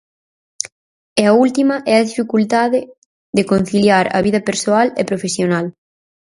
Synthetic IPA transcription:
ɛɐult̪imɐʔɛɐðifikult̪aðe | ðekon̟θiljaɾɐ̰βið̞ɐpeɾsoalḛpɾofesjonal

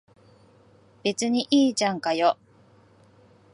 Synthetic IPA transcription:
b̥e̞t͡sɨɲ̟iʔiːt͡ɕãŋkajo

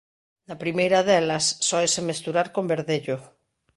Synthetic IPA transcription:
napɾimejɾaðɛlasːɔesemest̪uɾaɾkombeɾðeʎo

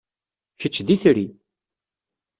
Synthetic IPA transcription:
çət͡ʃːd̪iθɾi

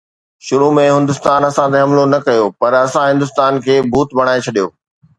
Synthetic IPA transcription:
ʃʊɾumẽɦɪ̃nd̪ʊst̪aːnɐsãt̪eɦɐmlonɐkɐjopɐɾɐsãɦɪ̃nd̪ʊst̪aːnkʰeːbʱuːt̪bʱɐɽ̃aːet͡ɕʰɐɗijoː

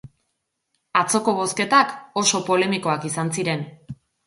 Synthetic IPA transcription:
at͡so̞ko̞β̞o̞ske̞t̪ako̞so̞po̞le̞miko̞akisansiɾe̞n

